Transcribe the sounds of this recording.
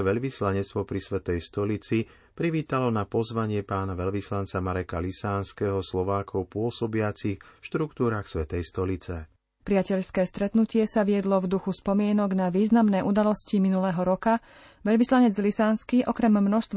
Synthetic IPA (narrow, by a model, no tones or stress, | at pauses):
ʋɛʎʋislaɲɛt͡st̪ʋɔpɾisʋɛt̪ɛjst̪ɔlit͡si | pɾiʋiːt̪alɔnapɔzʋaɲɪɛpaːnaʋɛʎʋislant͡samaɾɛkalisaːnskɛɦɔslɔʋaːkʰɔʊpʊɔsɔbɪat͡sixfʃt̪ɾukt̪uːɾaːxsʋɛt̪ɛjst̪ɔlit͡sɛ | pɾɪacɛʎskɛːst̪ɾɛt̪nucɪɛsaʋɪɛd̪lɔvd̪uxuspɔmɪɛnɔɡnaʋiːznamnɛːʔud̪alɔsciminulɛːɦɔɾɔka | ʋɛʎʋislaɲɛd͡zlisaːnskiʔɔkɾɛmːnɔst̪ʋ